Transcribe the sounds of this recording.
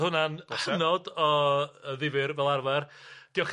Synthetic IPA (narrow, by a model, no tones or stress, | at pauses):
hʊnanənɔdɔəðɪvɨɾvɛlˠarvɛrd̥iɔχ